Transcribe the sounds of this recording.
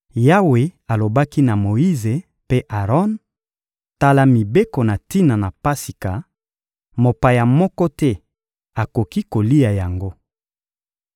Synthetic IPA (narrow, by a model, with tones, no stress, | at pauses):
ja˦we˨a˨lo˨ba˦ki˦na˨mo˨i˦ze˨ | pe˦ʔa˨ʁɔ˦n | ta˦la˦mi˨be˦ko˨na˨ti˦na˨na˨pa˦si˨ka˨ | mo˨pa˨ja˨mɔ˦kɔ˦tɛ˦ | a˨ko˨ki˦ko˨li˦ja˨ja˨ŋɡo˦